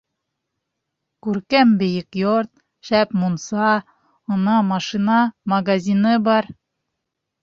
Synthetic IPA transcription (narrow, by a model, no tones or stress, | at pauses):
kʉɾkæmbɘ̆jɘkjoɾt̪̚ | ʃæpmunsɑ | ŏnɑmɑʃinɑmɐɡazʲinɤbɑɾ